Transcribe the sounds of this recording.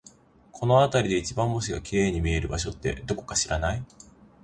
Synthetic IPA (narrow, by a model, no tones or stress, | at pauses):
kʰo̞no̞at̪aɾʲid̪e̞it͡ɕibãmːo̞ɕ̬iɡakʲiɾe̞ːɲ̟imʲie̞ɾɯ̟baɕo̞t̪ːe̞̰d̪o̞ko̞̥kaɕiɾanai